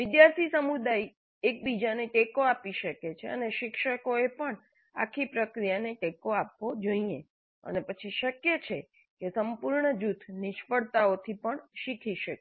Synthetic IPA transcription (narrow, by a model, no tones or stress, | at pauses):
ʋɪd̪jaɾt̪ʰisəmud̪aj | ek̚bid͡ʒaneʈekoapiʃəket͡ʃʰeə̰neʃɪkʃəkoepəɳ | a̰kʰipɾəkɾijaneʈekoap̚ʋod͡ʒəie | ə̰nepət͡ʃʰiʃəkjet͡ʃʰe | kesəmpuɾɳəd͡ʒut̪ʰnɪʃfəɽt̪aot̪ʰipəɳʃikʰiʃəke